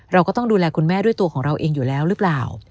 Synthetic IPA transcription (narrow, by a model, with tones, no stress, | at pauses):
ɾa˧wkɔː˥˩t̪ɔ˥˩ŋduː˧lɛː˧kʰu˧nmɛː˥˩du˥˩əjt̪u˧ɐkʰɔː˩˦ŋɾa˧wʔeː˧ŋjuː˨˩lɛː˦˥wɾɯ˦˥plaː˨˩w